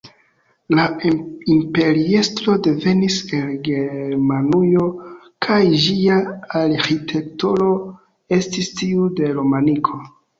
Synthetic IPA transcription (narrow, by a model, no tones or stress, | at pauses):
laimpe̞ɾie̞stɾo̞de̞ve̞nise̞nɡe̞ɾmanujo̞ | kʰajd͡ʒiaːɾxitʰe̞ktoɾo̞ | e̞stistiude̞ɾomanikʰo̞